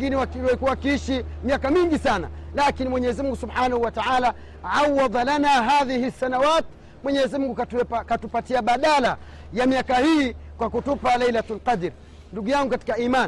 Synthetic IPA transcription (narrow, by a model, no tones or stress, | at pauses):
kiniwawakuawakiiʃimiakamiŋɡisana̰lakinimwɛɲɛzimuŋɡusubħanahuwataʕaːla | ʕawːɑðˤlanaːɦaːðihisːanawaːt̪ | mwɛɲɛzimuŋɡuakatupatiaɓaɗala | jamiakahiːkwakutupalajlatlqɑdɾ | nduɡujaŋɡukati̥kaiman